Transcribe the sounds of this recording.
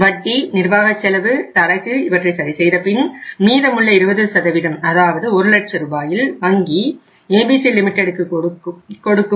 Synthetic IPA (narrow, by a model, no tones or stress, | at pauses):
ʋɐʈːinɪɾbaːɣɐt͡ʃːɛlɐʋɯt̪ɐɽɐkːɯɪʋɐʈrɐɪsɐɾɪsɛjðɐpɪnmiːðɐmɯɭːɐɪɾɯbɐðɯsɐðɐʋɪðɐmɐðaːʋɐðɯɔɾɯlɐʈ̚t͡ʃːɐɾɯbaːjɪlʋɐŋɡi | eːbiːsilɪmɪʈːɛɽɯkːɯ | kɔɽɯkːɯ